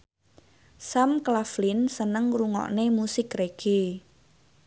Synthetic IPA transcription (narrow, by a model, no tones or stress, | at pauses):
samklaflɪnsənəŋruŋɔ̰ʔnemusɪkreɡ̥e